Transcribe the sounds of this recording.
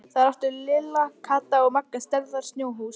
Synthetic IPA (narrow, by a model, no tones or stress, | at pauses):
θaðɾaft̪ʏɾlɪːlakʰaːt̪aɔɣmakːast̪ɛɾðaɾ̥st̪njoːwɦuːs